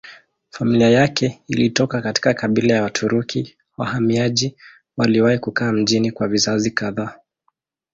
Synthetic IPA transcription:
familiajakɛilitɔkakati̥kakaɓilajawatʰuɾukʰi | wa̰hamiaʄi | waliwahikukaːm̩ʄinikwavizazikaðaː

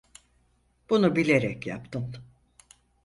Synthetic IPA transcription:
b̥unubilʲe̞ɾɛcja̰pt̪ʰɯm

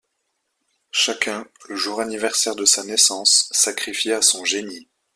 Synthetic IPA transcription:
ʃakʲɛ̃ləʒuʁanivɛʁsɛʁd̪əsanɛsɑ̃sːakχifjeasɔ̃ʒeni

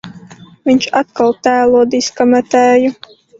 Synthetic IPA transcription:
viɲt͡ʃat̪̚kalˠt̪æːlˠuɔd̪iskamɛt̪æːju

